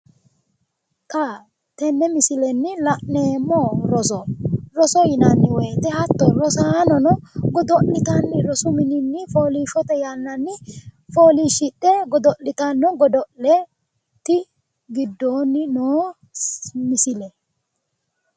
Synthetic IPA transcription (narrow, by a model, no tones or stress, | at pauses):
t̪ʼa | t̪ɛnːɛmɪsɪlɛnːɪlɐʔneːmːɔɾɔɔɾɔsɔjɪnɐnːɪweːt̪ɛhɐt̪ːɔɾɔsaːnɔnɔɡɔd̪ɔlɪt̪ɐnːɪɾɔsʊmɪnɪnːɪfoːliːʃɔt̪ɛjɐnːɐnːɪfoːliʃɪtːɛɡɔd̪ɔʔlːɪt̪ɐnːɔɡɔd̪ɔlɛ | t̪ɪ | ɡɪd̪ːoːnːɪnoː | mɪsɪlɛ